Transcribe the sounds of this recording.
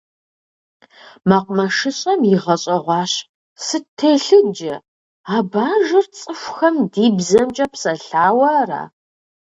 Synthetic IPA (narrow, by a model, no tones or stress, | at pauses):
maqʷʊmɐʂɨɕʼɐmjɪʁɐɕʼɐʁʷɑːɕ | sɨtʰːeɬɨd͡ʒɐ | aːbaːʒɨrt͡sʼɨfʷxɐmdiːbzɐmt͡ʃʼɐpsɐɬaːwɐra̰ː